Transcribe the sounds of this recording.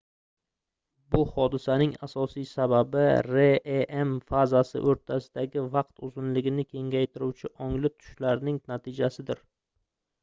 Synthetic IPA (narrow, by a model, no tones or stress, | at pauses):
bʊhɒd̪ɪsanɪŋa̰sɒsijsababɪɾeemfazasɪ̰ʔoɾt̪ʰasɪd̪̥aɡʲɪvɑq̚t̪ʊzɪnlɪɡʲɪnɪkʲʰe̞ŋʲajt̪ʰɪɾuwt͡ʃʰɪʔɒŋlɪt̪ʰʊ̥ʃlaɾnɪŋnat̪ʰɪd͡ʒasɪd̪ɪɾ